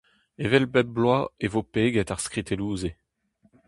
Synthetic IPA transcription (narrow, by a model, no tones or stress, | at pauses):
evɛlbɛblwaevopeːɡɛt̪aʁskχit̪eluːze